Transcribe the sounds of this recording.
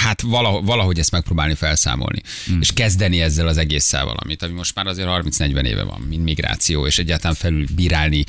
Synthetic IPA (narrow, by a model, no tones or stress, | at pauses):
hat̪vɒlɒɦovɒlɒɦo̞ɟɛst̪mɛk̚proːbaːlifɛlsa̰ːmo̰lnḭ | eːʃkɛzd̪ɛniɛzːɛlɒzɛɡeːsːɛ̰lvɒ̰lɒ̰mit̪ɒmimo̞ʃt̪maːɾɒzeːɾhɒrminsnɛɟvɛnḛːvɛ̰vɒ̰mmind̪miɡɾa̰ːt̪sijoːeːʃɛɟːaːlt̪ɒlaɱfɛlylbiːɾaːlni